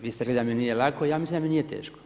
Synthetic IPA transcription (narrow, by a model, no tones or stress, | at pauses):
ʋiːst̪eled̪aminijelakojaːmislind̪aminijet̪ḛːʃko̥